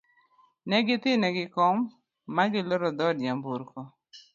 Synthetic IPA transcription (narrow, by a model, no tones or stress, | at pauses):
nɛɡɪt̪ɪnɛɡɪkɔmː | aɡɪlɔɾɔd̪ɔdjambuɾkɔ